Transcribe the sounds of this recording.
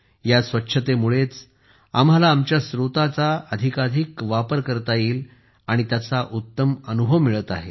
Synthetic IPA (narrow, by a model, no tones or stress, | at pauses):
jasʋətːɕʰət̪emuɭet͡s | a̰malaːmt͡ɕjasɾut̪at͡saəd̪ʱikad̪ʱikʋapəɾkəɾt̪aiːl | aɽ̃it̪jat͡saʔut̪ːəmənubʱəʋmiɭət̪a̰ɦe